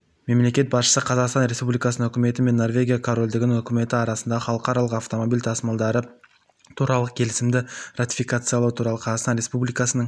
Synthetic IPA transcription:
me̞mle̞kʲe̞t̪̚bɑsʃə̥səqʰɑzɑqst̪ɑnɾe̞spublʲijkɑsənəŋɵ̟kʲɪme̞t̪ɪme̞nːo̞rvʲe̞ɡʲijakʰoɾo̞lʲd̪ɪɡʲɪnɪŋʏkʲɪme̞t̪ɪɑɾɑsənd̪ɑʁəχɑlˠəqɑɾɑlˠəqɑft̪o̞mo̞bijlʲt̪ʰɑsmɑlˠd̪ɑɾə | t̪ʰuɾɑlˠəq̚kʲʰe̞lɪsɪmd̪ɪrat̪i̥fʲikat̪sɨjɑlˠuwt̪ʰuɾɑlˠəqʰɑzɑqst̪ɑnɾe̞spublijkɑsənəɴ

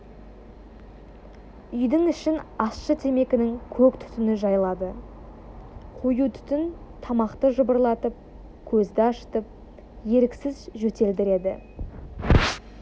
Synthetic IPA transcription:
ʏjd̪ɪŋʏʃɪnɑsʃət̪ʰe̞me̞kʲɪnɪŋkʲʰɵkt̪ʰʏ̥t̪ɪnɪʒɑjlˠɑd̪ə | qʰojut̪ʰʏ̥t̪ɪn | t̪ʰɑmɑqt̪əʒʊbəɾlˠɑt̪əp̚ | kʲʰɵzd̪ɪɑʃə̥t̪əp̚ | je̞ɾɪksɪzʒɵt̪e̞ld̪ɪɾe̞d̪ɪ̰

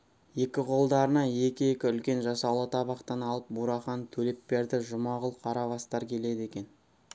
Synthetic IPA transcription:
je̞kʲɪqʰo̞lˠd̪ɑɾənɑje̞kʲɪje̞kʲɪʏlkʲe̞nʒɑsɑwlˠət̪ʰɑβɑqt̪ɑnɑlˠəp̚buɾɑχɑnt̪ʰɵle̞p̚ːe̞ɾd̪ɪʒʊmɑʁəlˠqʰɑɾɑβɑst̪ɑɾkʲʰe̞le̞d̪e̞kʲe̞n

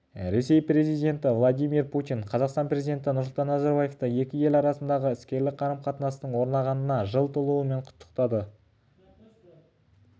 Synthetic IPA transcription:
ɾe̞se̞jpɾe̞zijd̪ʲe̞nt̪ɪvlˠad̪ijmirput̪ʲiɴqʰɑzɑqst̪ɑnprʲe̞zijd̪ʲent̪ɪnʊɾsʊlˠt̪ɑnːɑzɑɾbaje̞ft̪əe̞kʲɪje̞lɑɾɑsənd̪ɑʁəɪskʲe̞ɾlɪk̚qʰɑɾəmqʰɑt̪ənɑsənəɴwo̞ɾnɑʁɑnənɑʒəlˠt̪əlˠuwəme̞ɴqʰʊ̥t̪ːə̥qt̪ɑd̪ə

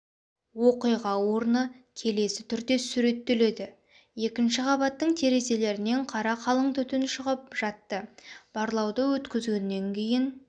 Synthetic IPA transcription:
wo̞qijʁɑwo̞ɾnəkʲʰe̞le̞sɪ̥t̪ʰʏɾd̪e̞suɾe̞t̪ːe̞le̞d̪ɪ | je̞kʲɪnʃɪqʰɑbɑt̪ːəɴt̪ʰe̞ɾe̞ze̞le̞ɾɪne̞ɴqʰɑɾɑqʰɑlˠəɴt̪ʏt̪ɪnʃəʁəp̚ʒ̥ɑt̪ːəb̥ɑɾlˠɑwd̪əwɵt̪kʲɪzɡʲe̞nːe̞ŋkʲʰe̞jɪn

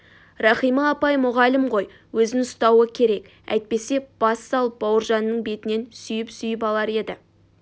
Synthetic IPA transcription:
rɑχijmɑːpɑjmʊʁɑlɪmʁo̞j | wɵzɪŋʊst̪ɑwəkʲʰe̞ɾe̞k | æ̰jt̪̚pe̞se̞b̥ɑsːɑlˠəp̚bɑwəɾʒɑnːəɴbe̞t̪ɪne̞nsʏjɪpsʏjɪpɑlˠɑɾe̞d̪ɪ

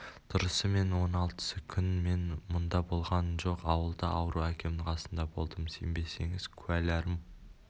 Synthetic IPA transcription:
t̪ʰʊɾəsəme̞nwo̞nɑlˠt̪ə̥səkʲʰʏnme̞nmʊnd̪ɑbo̞lˠʁɑnəʒo̞qɑwəlˠd̪əʔɑwəɾuækʲʰe̞mɪŋqʰɑsənd̪ɑbo̞lˠd̪əmsḛmbe̞se̞̰ŋɪz̥kʲʰʉælæɾɪm

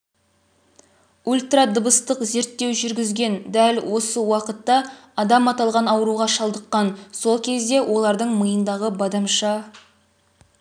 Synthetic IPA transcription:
ulʲt̪rad̪əbəst̪əqze̞ɾt̪ːe̞wʒʏɾɡʲɪzɡʲe̞nd̪ælwo̞səwɑqət̪ːɑɑd̪ɑmɑt̪ɑlˠʁɑnɑwəɾuʁɑʃɑlˠd̪əqːɑnso̞lˠkʲʰe̞zd̪e̞wʔo̞lˠɑɾd̪əɴməjənd̪ɑʁəbɑd̪ɑmʃɑ

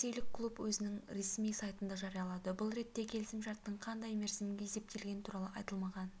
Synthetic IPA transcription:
se̞jlɪkʰːlˠupwɵzɪnɪŋɾe̞smijsɑjt̪ənd̪ɑʒɑɾijɑlˠɑd̪əbʊlˠɾe̞t̪ːe̞kʲʰe̞lɪsɪmʃɑɾt̪ːəɴqʰɑnd̪ɑjme̞ɾsɪmɡʲejse̞p̚t̪e̞lɡʲe̞nɪt̪ʰuɾɑlˠəʔɑjt̪əlˠmɑʁɑn

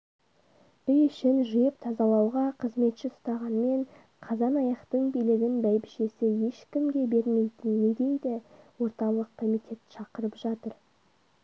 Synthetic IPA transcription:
ʏjʏʃɪnʒijɪp̚t̪ʰɑzɑlˠɑwʁɑqʰəzme̞t̪ʃɪsʊt̪ɑʁɑnme̞ɴ | qʰɑzɑnɑjɑqt̪əɴbijlɪɡʲɪnbæjbɪʃe̞sɪje̞ʃkʲɪmɡʲe̞be̞ɾme̞jt̪ɪnːed̪e̞jd̪ɪwo̞ɾt̪ɑlˠəqkʰːo̞mijt̪ʰʲe̞t̪ʃɑqəɾəpʒɑt̪əɾ

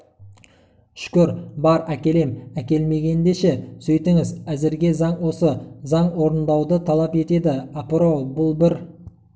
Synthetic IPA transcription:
ʃkʲʏɾbɑɾækʲe̞le̞mækʲe̞lme̞ɡʲe̞nd̪e̞ʃesɵjt̪ɪŋɪzæzɪɾɡʲe̞zɑɴwo̞səzɑɴwo̞ɾənd̪ɑwd̪ət̪ʰɑlˠɑpe̞t̪e̞d̪ɪɑpɾobʊlˠbɪɾ

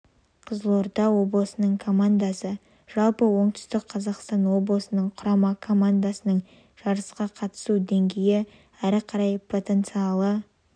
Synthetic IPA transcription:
qʰəzəlˠoɾd̪ɑwo̞blˠəsənəɴkʰo̞mand̪asə | ʒ̥ɑlˠpəwo̞ɴt̪ʏ̥st̪ɪk̚qʰɑzɑqst̪ɑnwo̞blˠəsənəɴqʰʊɾɑmɑkʰo̞mand̪asənəɴ | ʒ̥ɑɾəsqɑqʰɑt̪ə̥sud̪e̞ŋɡʲe̞jɪ | æɾɪqʰɑɾɑjpʰo̞t̪e̞nt̪sɨɑlˠə

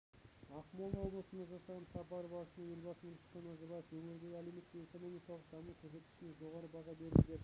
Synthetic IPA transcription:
ɑχmolˠwoblˠəsənɑʒɑsɑʁɑnsɑpɑɾəbɑsənɑjelʲbɑsəmənst̪enozəbɑjɪfwɵŋeɾɡʲeɡʲæleme̞t̪ːɪeko̞no̞mijkɑlˠəq̚d̪ɑmukʲʰɵɾs̬e̞t̪kʲɪ̥ʃɪneʒo̞ʁɑɾəbɑʁɑbe̞ɾd̪ɪd̪e

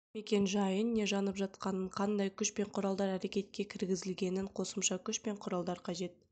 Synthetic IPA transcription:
me̞kʲe̞nʒɑjənːe̞ʒɑnəpʒɑt̪̚qɑnəɴqʰɑnd̪ɑjkʲʰʏʃpe̞ɴqʰʊɾɑlˠd̪ɑɾæɾe̞kʲe̞t̪̚kʲe̞kʲʰɪɾɡʲɪzɪlɡʲe̞nɪɴqʰo̞səmʃɑkʲʰʏʃpe̞ɴqʰʊɾɑlˠd̪ɑɾqʰɑʒe̞t̪̚

